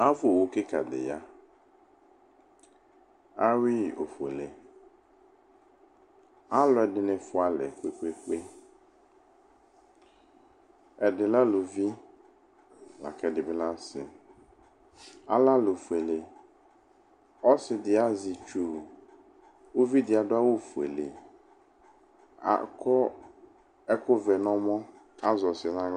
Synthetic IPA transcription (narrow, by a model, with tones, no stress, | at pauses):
a˦vʊ˦o˨wʊ˦kɪ˦ka̰˨dɪ̰˨ja˦ | a˦wi˦˨ʔo˨fḛ˨le˨ | a˦lɔ˦ɛ˨dɪ˨nɪ̃˨fʊ˦a˦lɛ̰˨kʷe˦kʷe˦ke˦ | ɛ˨dɪ˨la˦lo˨vi˦ | la̰˨kʰɛ˨dɪ˨bɪ˦la˦sɪ̰˨ | a̰˦la˦lo˨fu˨e˨le˨ | ɔ˦sɪ˨dɪ˨a˦zɪ˨t͡ʃu˨ | o˦vi˦dɪ˨˦a˨dʊ˦a˦wo˦fu˨ḛ˨lḛ˨˦˨ | ɔ˦ | ɛ˦kʊ˦vɛ˨nɔ̃˦mɔ̃˦ | a˦zɔ˨sɪ˨ɛ˨nã˦